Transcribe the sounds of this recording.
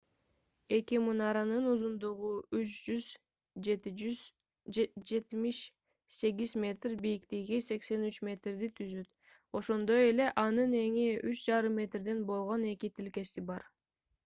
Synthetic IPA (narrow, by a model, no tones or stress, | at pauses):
e̞kimunɑɾɑnɯnuzund̪uʁuyt͡ʃd͡ʒyz | d͡ʒe̞t̪id͡ʒyz | d͡ʒe̞t̪miʃ | se̞ɡʲizmʲe̞t̪rbijikt̪iɡise̞kse̞nyt͡ʃmʲe̞t̪rd̪it̪ʰyzyt̪ | o̞ʃo̞nd̪o̞je̞le̞ʔɑnɯne̞ŋiyt͡ʃd͡ʒɑɾɯmːe̞t̪rd̪e̞nbo̞lˠʁo̞ne̞kit̪ʰilke̞sibɑɾ